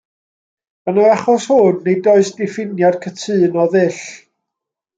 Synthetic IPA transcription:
ənaaχɔshʊnːejdɔɨsd̥ɪfɪnjad̥kʰətʰɨːnɔðɨɬ

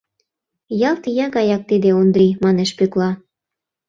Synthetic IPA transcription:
jɑlt̪ijɑɣɑjɑk̚t̪id̪eond̪ɾimɑneʃpøklɑ

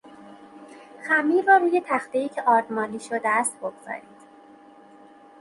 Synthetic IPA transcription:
xæmːiːɾɒːɾuːje̞t̪ʰæxt̪eiːcʰeʔɒːɾd̪mɒːliːʃod̪eæst̪̚bo̞ɡz̥ɒ̰ːɾiːd̪̥

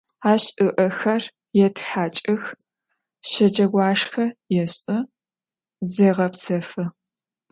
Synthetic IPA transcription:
aːɕʼɨʔɐxɐr | jɛtʰħaːt͡ʃʼɐx | ɕɐd͡ʒɐɡʷɑːʂxɐjɛɕʼɐ | zeːʁɐpsɐfɨ

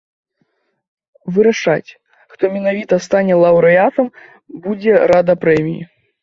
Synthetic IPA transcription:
vɨɾaʂat͡sʲ | xt̪ɔmʲɛnavʲit̪ɐst̪anʲɛlˠɐwɾɨat̪ɐm | bud͡zʲɛɾad̪ɐpɾɛmʲijḭ

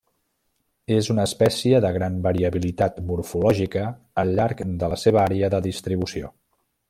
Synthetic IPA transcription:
ezunəːspɛsiəðəɣɾanbəɾiəβilit̪at̪muɾfulɔʒikəː | lʎːaɾkd̪ələseβ̞əaɾeəðəðist̪ɾiβusio̰

